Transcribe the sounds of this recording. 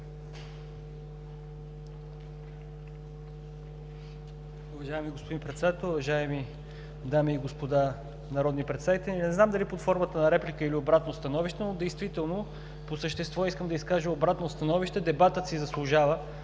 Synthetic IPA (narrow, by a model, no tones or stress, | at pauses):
ʊvɐʒaɛmiɡospod̪inpɾɛt̪sɛd̪at̪ɛlˠʊvɐʒaɛmi | d̪amiːɡospod̪a | nɐɾɔd̪nipɾɛt̪savit̪ɛlʲinɛznamd̪ɐlipot̪fɔɾmət̪ənɐɾɛplikəiliobɾat̪nost̪ɐnɔviʃt̪ɛnod̪ɛjst̪vit̪ɛlˠno | posəʃt̪ɛst̪vɔiskəmd̪ɐiskaʒəobɾat̪nost̪ɐnɔviʃt̪ɛd̪ɛbat̪ət̪sizɐslˠʊʒavə